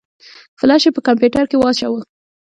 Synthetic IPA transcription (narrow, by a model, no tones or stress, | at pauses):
flɑʃepəkampjuʈaɾkewɑt͡ʃawə